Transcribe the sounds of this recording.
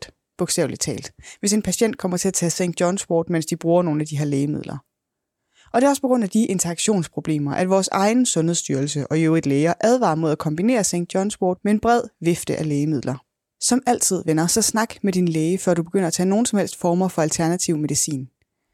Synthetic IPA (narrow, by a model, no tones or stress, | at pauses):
b̥oɡ̥sdɛ̰ʊli̥t͡sʰɛ̰ːld̥ʋe̝s̬e̝npʰæɕen̰d̥̚kʰɒ̽m̰ɐt͡sʰe̝æt͡sʰɛ̰ːseŋ̰ɡ̥̚jɒ̽nswɔ̰ːd̥men̰sd̥ib̥ʁuːɐno̝ːn̩æd̥iɦe̝ɐ̰leːɪmið̞̰ˠlɐ | ʔɒd̥e̝ɒ̽sə̥pʰɒɡ̥ʁɔ̽n̰dæd̥iʔe̝nt͡sʰɐɑɡ̥ɕo̝̰ːnspʰʁo̝b̥le̝̰ːmɐʔæd̥ʋɒːsɑ̈ɪn̩sɔ̽nheðˠsd̥yːɐl̩səʔɒ̽joʊid̥leːɪɐʔæð̞ˠʋɑ̰̈ːmo̝ð̞̰ˠækʰɒ̽mb̥ine̝̰ːɐseŋ̰ɡ̥̚d̥jɒ̽nswɔːd̥̚mee̝nb̥ʁɛð̞̰ˠʋe̝fd̥əʔæleːəmið̰ˠlɐ | sɒ̽mæl̰t͡sʰið̞̰ˠʋenɐsɒ̽snɑ̈ɡ̥med̥inleːɪəfɶɐ̰d̥ub̥e̝ɡ̥øn̰ɐæt͡sʰɛ̰ːno̝ːn̩sɒ̽mhel̰sd̥fɒːmɐfɒ̽ælt͡sʰæɐnæt͡sʰiʊme̝ðisḭːn